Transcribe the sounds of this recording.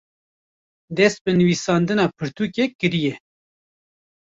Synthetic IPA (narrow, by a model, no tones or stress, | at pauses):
d̪ɛst̪̚bɨnɨwisɑːnd̪ɨnɑːpʰɨɾt̪ʰuːkɛkɨɾijɛ